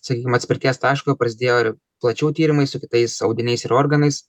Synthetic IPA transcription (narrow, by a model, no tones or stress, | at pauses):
sɐkʲiːkʲɪmɐt̪sʲpʲɪɾʲt̪ʲiɛst̪ɑːʃkopɾɐsʲɪd̪ʲeːjoːɪɾ | plˠɐt͡ʃʲuːt̪ʲiːɾʲɪmɐɪssʊkʲɪt̪ɐɪsɐʊd̪ʲɪnʲɛɪsɪɾoːɾɡɐnɐɪs